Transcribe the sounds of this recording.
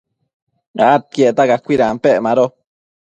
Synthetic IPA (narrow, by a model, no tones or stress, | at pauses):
a̰ʔat̪̚kjeʔt̪aɡakʷiɾampeʔmaɾo